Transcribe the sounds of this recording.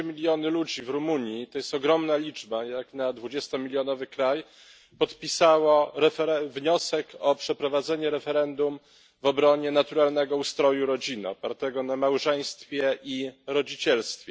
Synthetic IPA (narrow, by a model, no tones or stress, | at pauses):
mʲilʲjɔnɘlud͡ʑivɾumuɲjit̪ɔjɛst̪ɔɡɾɔmnalʲid͡ʐbajaknad̪vud͡ʑɛst̪ɔmʲilʲjɔnɔvɘkɾaj | pɔt̪pʲisawaɾɛfɛɾɛvɲɔsɛkʰɔpʂɛpɾɔvad̪zɛɲɛɾɛfɛɾɛnd̪um | vɔbɾɔɲɛnat̪uɾalnɛɡɔust̪ɾɔjuɾɔd͡ʑinɔpaɾt̪ɛɡɔnamawʐɛj̃st̪fʲjɛʔiɾɔd͡ʑit͡ɕɛlst̪fʲjɛ